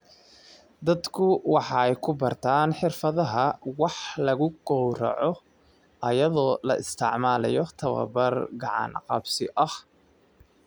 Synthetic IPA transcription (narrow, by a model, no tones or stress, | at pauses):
d̪ɐd̪kʰʊwɑħɑɛjkʰʊbɐrt̪ʰaːnħɪrfɐðɐɦɐwɑħlɐɣʊɡ̥ɔwɾɐ̰ʕɔ | ʔɐjɐðɔːlɐʔɪst̪ʰɪʕmaːlɐ̰jɔt̪ʰɐβɐ̰bɐrɡɑʕɑ̰nqɑbsɪʔɐh